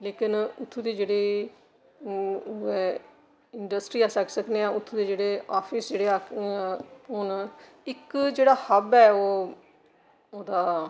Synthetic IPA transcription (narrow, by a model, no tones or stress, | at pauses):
leːkɪnʊt̪ʰːud̪eːd͡ʒeːɽeː | ɛː | ɪɳɖəsʈɾiːaːsəksəkneːãːʊt̪ʰːuːd̪eːd͡ʒeːɽeːaːpʰɪsd͡ʒeːɽeːaː | ɦʊɳ | ɪkd͡ʒeːɽaːhəbɛːoː | oːd̪aː